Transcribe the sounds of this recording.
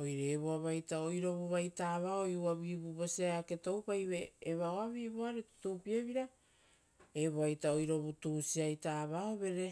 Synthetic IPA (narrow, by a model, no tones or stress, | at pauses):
o̞jɾeeβoaβajtaojɾo̞βuβajtaːβaojuaβibuβo̞siajake̞to̞wpajβe̞ːβaoaβiβoaɾeto̥tuːpiaβiɾa | eβoajtao̞jɾo̞βutusiajtaːβaoβe̞ɾe̞